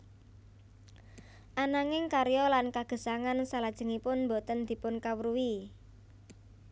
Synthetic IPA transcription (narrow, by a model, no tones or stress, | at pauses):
ʔanaŋɪŋkaɾjɔlankaɡ̥ə̤saŋansalad̥ʒ̥ə̤ŋipʊnmbot̪ənd̪̥i̤pʊnkawəɾuwi